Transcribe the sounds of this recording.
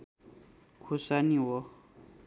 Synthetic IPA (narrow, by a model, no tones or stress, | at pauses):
kʰosaniwɔ